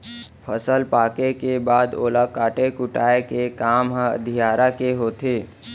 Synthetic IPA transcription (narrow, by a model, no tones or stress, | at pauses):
pʰəsəlpaːkekebaːd̪o̰ːlakaːʈekʊʈaːekekaːmɦə̰d̪ʱijaːɾakeɦoːt̪ʰeː